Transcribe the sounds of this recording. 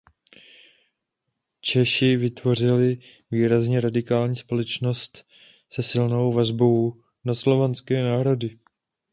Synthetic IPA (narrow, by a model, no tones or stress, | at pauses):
t͡ʃɛʃɪvɪt̪vo̞r̝ɪlɪ | viːɾazɲɛɾadɪkaːlɲiːspo̞lɛt͡ʃno̞st̪ | sɛsɪlno̞wvazbo̞w | naslo̞vanskɛːnaːɦɾo̞dɪ